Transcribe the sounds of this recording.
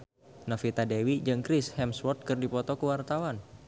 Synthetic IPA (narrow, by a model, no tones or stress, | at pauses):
nɔfit̪adewid͡ʒɨŋkɾɪshɛmswɔt̪̚kɨrdipɔt̪ɔkəwart̪awan